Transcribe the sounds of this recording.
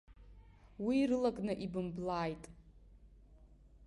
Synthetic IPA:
wiːrɨlakʼnɨʔibɨmblaːjtʼ

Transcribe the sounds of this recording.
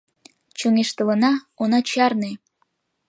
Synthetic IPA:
t͡ɕoŋeʃt̪ələ̆nɑ | onɑt͡ɕɑrne

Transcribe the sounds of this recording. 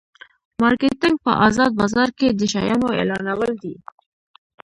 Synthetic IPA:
mɑɾket̪ɪŋɡ̚pə̰ʔɑzɑd̪̚bɑzɑɾked̪əʃajɑnoḛlɑnawəld̪i

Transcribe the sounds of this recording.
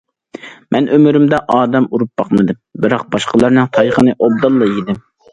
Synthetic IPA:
mʔɛnʔømyɾymd̪ɛʔɑːd̪ɛmuɾup̚bɑqmɨd̪ɨmbɪɾɑq̚bɑʃqəlˠɑɾnɨŋt̪ʰɑjχənɨʔob̚d̪ɑlˠːɑid̪ɪm

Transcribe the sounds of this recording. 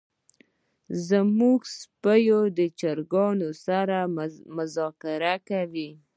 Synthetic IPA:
zamuɡspəjod̪ət͡ʃaɾɡɑnosaɾamʊzɑkɪɾakawi

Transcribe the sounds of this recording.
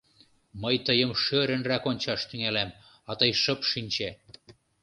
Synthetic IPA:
məjt̪əjə̆mʃøɾə̆nrækonʲt͡ɕɑʃt̪yŋælæm | ɑt̪ɤjʃɤ̆pʃinʲt͡ɕe

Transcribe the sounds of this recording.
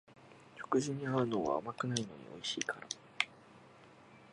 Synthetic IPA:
t͡ɕo̥kɯ̟ʑiɲ̟ːiaɾɯ̟noːβa̰ːmakɯ̟naino̞̰ɲ̟ḭo̞̰iɕiːkʰaɾa

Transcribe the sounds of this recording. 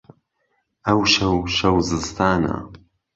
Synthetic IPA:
ɐwʃɐwʃɐwzɨst̪ʰaːna̰

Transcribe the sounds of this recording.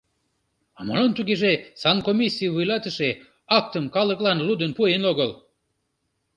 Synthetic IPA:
ɑmo̰lənt̪uɣeʒesɑnkomʲisʲːijvujlɑt̪əʃe | ɑk̚t̪əmkɑləklɑnlud̪ənpuenoɣəl

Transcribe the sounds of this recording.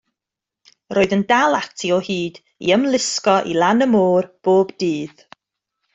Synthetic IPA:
rʔoːðəndalˠatʰiɔhiːd | ḭəmlˠɪskɔʔḭlˠanəmoːrb̥oːbdiːð

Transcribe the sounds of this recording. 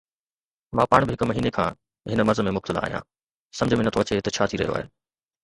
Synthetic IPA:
mãːpaːɽ̃bɪɦɪkmɐɦiːnekʰãː | ɦɪnəmɐɾzəmẽmʊb̚t̪ɪla̰ːɦijã̰ː | sɐ̃md͡ʑʱəmẽnɐt̪ʰoɐt͡ɕet̪ɐt͡ɕʰaːt̪ʰiɾɐ̰ijo̰a̰ːɦḛː

